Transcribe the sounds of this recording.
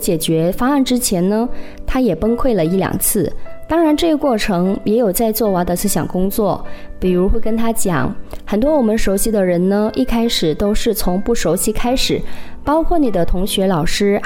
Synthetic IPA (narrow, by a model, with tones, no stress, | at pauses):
t͡ɕjɛ˨˩t͡ɕɥɛ˧˥fɑ˥a˥˩nʈ͡ʂɻ̩˥t͡ɕʰjɛ˧˥nnə˧t̪ʰa˥jɛ˨˩pə˥ŋkʰwe˥˩ɪlə˩i˥˩ljɑ̰˨˩ŋt͡sʰɹ̩˥˩t̪ɑ˥ŋɻa˧˥nʈ͡ʂɤ˥˧i˥kwɔ˥˩ʈ͡ʂʰɤ˧˥ŋjɛ˧˥jo˨˩ʊt͡sa˥˧ɪt͡swɔ˥˩wa˧˥d̪ə˧s̩˥ɕjɑ̰˨˩ŋkʊ˥ŋt͡swɔ˥˩pi˨˩ɻu˧˥xwe˥˩ɪkə˥nt̪ʰa˥t͡ɕjɑ̰˨˩˦ŋxə˨˩nt̪̬wɔ˥wɔ˨˩mə˦nʂo˧˥ʊɕi˧˥d̪ə˧ɻə˧˥nnə˧ʔi˥˩kʰa˥ɪʂɻ̩˨˩t̪o˥ʊʂɻ̩˥˩t͡sʰʊ˧˥ŋpu˥˩ʂo˧˥ʊɕi˧˥kʰa˥ɪʂɻ̩˨˩˦pɑ˥ʊkʰwɔ˥˩ni˨˩d̪ə˦t̪ʰʊ˧˥ŋɕɥɛ˧˥lɑ˨˩ʊʂɻ̩˥